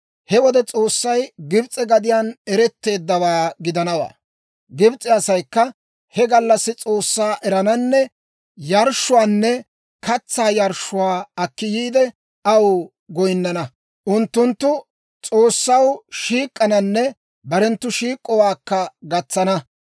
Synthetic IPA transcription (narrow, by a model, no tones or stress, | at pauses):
hɛwɔd̪ɛt͡sʼo̞ːsːɐjɡɪbt͡sʼːɛɡɐd̪ɪjaːnɛɾɛt̪ːe̞ːd̪ːɐwaːɡɪd̪ɐnɐwa̰ː | ɡɪbt͡sʼɪɐsɐjkːɐ | hɛɡɐlːɐsːɪt͡sʼo̞ːsːaːʔɛɾɐnɐnːɛ | jɐɾʃːʊwaːnːɛ | kɐt͡sːaːjɐɾʃʊwaːɐkːɪjiːd̪ɛ | ɐw | ɡɔjnːɐnɐ | ʔʊnt̪ːʊnt̪ːʊ | t͡sʼoːsːɐwʃiːkʼːɐnɐnːɛ | bɐɾɛnt̪ːʊʃiːkʼːɔwaːkːɐɡɐt͡sːɐnɐ